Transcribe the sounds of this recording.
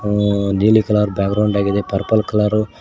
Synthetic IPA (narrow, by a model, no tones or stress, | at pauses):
niːlikɐlaːɾubjaːɡɡɾɐwɳɖaːɡid̪epɐɾpɐlkɐlaːɾu